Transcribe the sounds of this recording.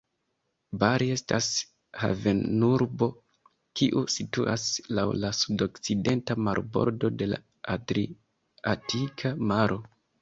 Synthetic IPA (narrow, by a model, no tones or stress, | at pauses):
baɾie̞stas | ha̰ve̞nuɾbo̞ | kiʔusituʔa̰slawlasudo̞kt͡side̞ntamaɾbo̞̰ɾdo̞de̞la̰ | atɾi | atʰikʰamaɾʔo̞